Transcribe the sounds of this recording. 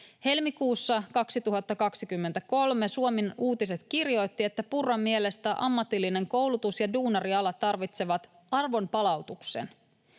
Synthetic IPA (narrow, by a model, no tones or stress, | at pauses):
he̞lmikuːsːɑkɑksit̪uɦɑt̪ːɑkɑksikymːe̞nt̪æko̞lme̞suominuːt̪ise̞t̪kirjo̞jt̪ːie̞t̪ːæpurːɑmːie̞le̞st̪æʔɑ̰mːɑt̪ilːine̞ŋko̞wlut̪usjɑduːnɑriɑlɑt̪ːɑrʋit̪se̞ʋɑt̪ | ɑrʋo̞mpɑlɑwt̪uksḛn